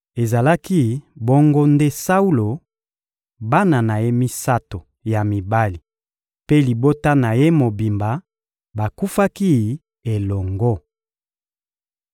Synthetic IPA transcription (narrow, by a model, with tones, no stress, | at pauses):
e˨za˨la˦ki˦bo˦ŋɡo˦nde˦sa˦u˦lo˨ | ba˦na˨na˨je˦mi˦sa˦to˨ | ja˨mi˨ba˦li˨ | pe˦li˨bo˦ta˦na˨je˦mo˨bi˨mba˨ | ba˨ku˦fa˦ki˦ | e˨lɔ˨ŋɡo˦